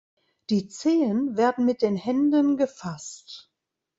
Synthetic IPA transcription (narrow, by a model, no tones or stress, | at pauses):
d̥iːt͡seːənveːɐdn̩mɪt̚d̥eːnhɛndənɡəfast